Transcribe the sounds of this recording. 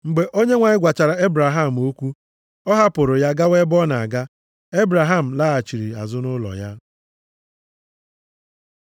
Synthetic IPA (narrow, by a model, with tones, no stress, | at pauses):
ŋ͡m̩˨ɡ͡be˨ʔo˦ɲe˦ŋʷa˨ɲɪ˦ɡʷa˨t͡ʃa˨ɾa˨e˦bɾa˨ɦa˦˨m̩˨o˦kʷu˦ | ɔ˦ɦa˦pʊ˨ɾʊ˨ja˦ɡa˦we˦bɔ˦na˨a˨ɡa˦ | e˦bɾa˨ɦa˦˨m̩˨la˦a˨t͡ʃi˨ɾi˨a̰˨zʊ˦nʊ˦lɔ̰˨ja̰˦